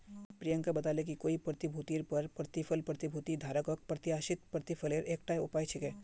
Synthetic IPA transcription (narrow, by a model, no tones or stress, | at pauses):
pɾijə̃ŋkabɐt̪aːlekikoːipɾət̪ibʱuːt̪iːɾpɐɾpɾət̪ɪfʰəlpɾət̪ibʱuːt̪id̪ʱaːɾəkok̚pɾət̪ɪaːʃɪt̪̚pɾət̪ɪfʰəleːɾʔeːk̚ʈaːeʊpaːjt͡ʃʰɪkɛː